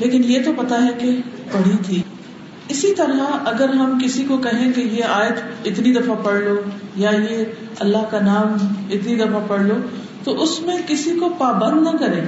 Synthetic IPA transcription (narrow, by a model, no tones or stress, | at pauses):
leːkɪnjet̪opɐt̪aɦɛkepɐɽ̤it̪ʰiː | ɪsit̪ɐɾɦaɐɡəɾɦɐmkɪsikokɐɦẽkejeaːjət̪ɪt̪nid̪ɐfapɐɽlojaje | ɐlːaɦkanaːmɪt̪nid̪ɐfapɐɽ̤loː | t̪oʔʊsmẽkɪsikopaːbə̃nd̪nɐkɐɾẽː